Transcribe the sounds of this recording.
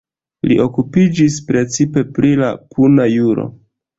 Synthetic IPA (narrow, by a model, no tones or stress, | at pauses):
liʔo̞kupid͡ʒispɾe̞t͡sipe̞pɾilakunajuɾo̞̰